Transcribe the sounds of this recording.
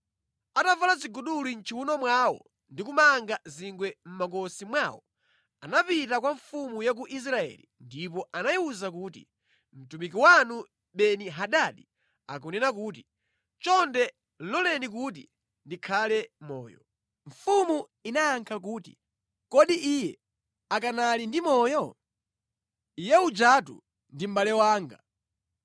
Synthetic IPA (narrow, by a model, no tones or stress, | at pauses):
atavalaziɡuɗulin̩t͡ʃʰiwunɔmwaːwɔ̰ | ndikumaŋɡaziŋɡwɛm̩makɔsimwaːwɔ | anapitakwaɱfumujak̬uʔis̬ɾaɛ̰lindip̬ɔʔanajiuzak̬uːtḭ | m̩tumik̬iwanu | ɓɛniɦaɗaɗi | a̰k̬ɔnɛnakuːti | t͡ʃɔndɛ | lɔlɛnikut̬ḭ | ndikʰalɛmɔ̰ːjɔ̰ | ɱ̩fumuinaːŋkʰak̬uːtḭ | kɔɗiʔijɛ | akanalindimɔːjɔ | ijɛud͡ʒatṵ | ndim̩ɓalɛwaːŋɡa